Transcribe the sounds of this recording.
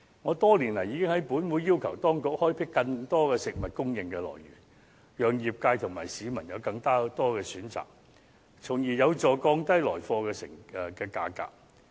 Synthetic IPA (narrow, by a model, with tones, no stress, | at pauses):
ŋɔː˨˧t̪ɔː˥liː˨˩nlɐ˨˩jiː˨˧kɪ˥ŋhɐ˨˥jpuː˨˥nwuː˨˧jjiː˥wkʰɐ˨˩wt̪ɔː˥ŋkʊ˨k̚hɔː˥jpʰɪ˥kːɐ˧ŋt̪ɔː˥kɛː˧sɪ˨k̚mɐ˨t̚kʊ˥ŋjɪ˨ŋkɛː˧lɔ̰ː˨˩jɥy̰ː˨˩n | jœː˨ŋjiː˨p̚kaː˧jt̪ʰʊ˨˩ŋma̰ː˨˩jsiː˨˧mɐ˨˩njɐ˨˧wkɐ˧ŋt̪aː˥t̪ɔː˥kɛː˧syː˨˥nt͡sa̰ː˨k̚ | t͡sʰʊ˨˩ŋjiː˨˩jɐ˨˧wt͡sɔː˨kɔː˧ŋt̪ɐ˥jlɔː˨˩jfɔː˧kɛː˧sɪ̰˨˩ŋ˨kɛː˧ka̰ː˧ka̰ː˨k̚